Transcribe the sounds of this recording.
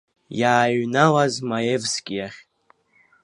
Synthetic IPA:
jaːɥnalazmajevskʲʼjaχʲ

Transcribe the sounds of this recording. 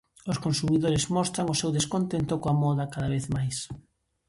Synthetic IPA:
ʊskonsumiðoɾɪzmɔst̪ɾaŋʊsewðeskont̪ent̪ʊkoamɔðɐkaðaβeθmajs

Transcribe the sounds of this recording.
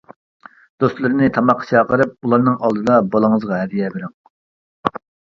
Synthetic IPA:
d̪̥ost̪lˠɨɾɪnɪt̪ʰɑmɑqʰːɑ̥t͡ʃʰɑːqəɾɨp̚ulˠɑɾnɨŋɑlˠd̪ɨd̪ɑbolˠəŋəzʁɑɦɛd̪ijɛbɪɾɪŋ

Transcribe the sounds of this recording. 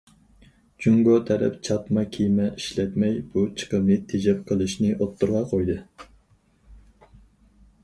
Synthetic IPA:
d͡ʒyŋɡot̪ʰɛɾɛ̰pt͡ʃʰɑt̪mɑkʲʰijmɛʔiʃlɛt̪mɛjb̥ut͡ʃʰə̥qəmnɨt̪ʰed͡ʒɛp̚qʰəlˠɨʃnɨʔot̪ʰːuɾʁɑqʰojd̪ɨ

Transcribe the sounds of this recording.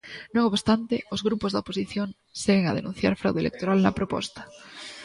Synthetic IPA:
nõŋoβst̪ant̪eozɣɾupozðoposiθjoŋ | seɣeŋað̞enũn̟θja̰ɾfɾa̰wðoelḛk̚t̪oɾalnɐpɾopɔ̰st̪ḁ

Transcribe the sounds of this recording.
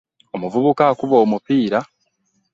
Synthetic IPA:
omuvuβukakuβoːmupiːɾa

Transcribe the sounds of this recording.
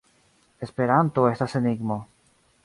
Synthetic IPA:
espe̞ɾant̪oe̞staseniɡmo̞

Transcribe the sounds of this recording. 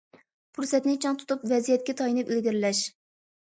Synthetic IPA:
pʰuɾsɛt̪nɪt͡ʃʰɑŋt̪ʰu̥t̪upvɛzijɛt̪̚kʲɛt̪ʰɑjinɨpilɡʲiɾɪlɛʃ

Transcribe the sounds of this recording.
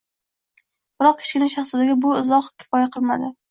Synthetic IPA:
b̥ɪɾɒq̚kʲʰe̥ʃɡʲɪnaʃ̬ɑχsɪd̪aɡʲabʊɪzɒqkʲʰɪ̥fɒjaqʰɨlˠma̰d̪ɪ

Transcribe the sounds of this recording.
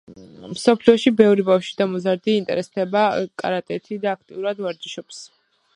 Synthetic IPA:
msɔpʰliɔʃibɛvɾibafʃid̪amɔzaɾd̪iːnt̪ʼɛ̰ɾɛsd̪ʰɛbakʼa̰ɾat̪ʼɛt̪ʰid̪aːk̚ʰt̪ʼḭuɾad̪vaɾd͡ʒiʃɔps

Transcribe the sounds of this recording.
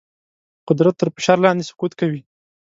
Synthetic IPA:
qʊd̪ɾat̪ːəɾfɪ̥ʃɑɾlɑnd̪esʊ̥qut̪kawi

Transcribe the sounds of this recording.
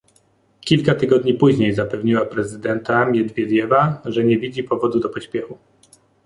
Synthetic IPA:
kʲilkat̪ɘɡɔd̪ɲipuʑɲejzapɛvɲiwapɾɛzɘd̪ɛnt̪amʲjɛd̪vʲjɛd̪ʲjɛvaʐɛɲɛvʲid͡ʑipɔvɔd̪ud̪ɔpɔɕpʲjɛxu

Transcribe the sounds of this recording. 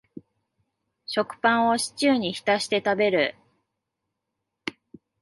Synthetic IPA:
ɕo̞kɯ̟̥pãɰ̃o̞ɕi̥t͡ɕɨːɲ̟içi̥t̪aɕi̥t̪e̞t̪abe̞ɾɯ̟

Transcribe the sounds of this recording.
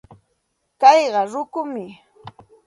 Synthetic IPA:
kɑjɢɑɾʊkʊmɪ

